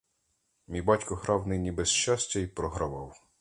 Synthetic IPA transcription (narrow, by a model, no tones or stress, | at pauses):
mʲijbɑtʲkʊɦɾɑwnɪnʲibɛsʃt͡ʃɑsʲtʲɐipɾɔɦɾɐʋɑw